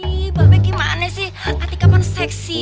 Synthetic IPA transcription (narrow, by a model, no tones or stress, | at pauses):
babɛkimanɛsɪh | at̪ikapansɛksi